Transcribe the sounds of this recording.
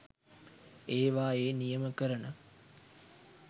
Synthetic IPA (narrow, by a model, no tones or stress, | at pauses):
eːʋaːeːnijəməkəɾənə